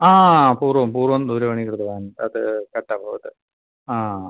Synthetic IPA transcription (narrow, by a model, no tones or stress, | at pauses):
aːpuːrʋɐmpuːrʋɐmd̪uɾɐʋɐɳikːɐrɐt̪ɐʋaːnɐðɨkɐʈːɐbʱɐʋɐt̪ːɨ | aː